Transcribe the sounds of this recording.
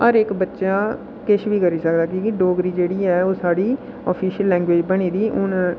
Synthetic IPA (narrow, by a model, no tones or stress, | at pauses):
əɾɪkbətːʃãː | kɪʃʋiːkəɾiːsəkd̪aːkĩːkɪɖoːɡɾiːd͡ʒeːɽiːɛːoːsaːɖiː | ɔːpʰiːʃəlːɛ̃ːŋɡʋeːd͡ʒbəɽ̃iːd̪iːʔʊn